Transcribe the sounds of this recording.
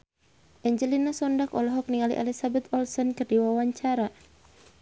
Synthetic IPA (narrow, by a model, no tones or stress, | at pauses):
ʔɛɲd͡ʒəlinasɔndakɔlɔɦɔk̚niŋalḭʔalisabɛt̪ɔlsɔnkɨrdiwawaɲt͡ʃaɾa